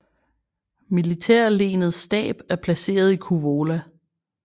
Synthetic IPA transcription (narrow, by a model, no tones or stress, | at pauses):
milit͡sʰeɐ̰le̝ːnð̩ˠsd̥ɛ̰ːb̥æɐpʰlæse̝̰ːɐð̞ˠikʰuʋo̝ːlæ